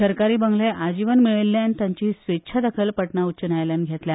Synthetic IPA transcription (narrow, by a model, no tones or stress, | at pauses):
səɾkaɾiːbəŋɡleʔad͡ʑiʋənmiɭelːjant̪jãɲt͡ɕiːsʋetːɕʰad̪əkʰəlpəʈnaut͡ɕənajljanɡʱet̪lja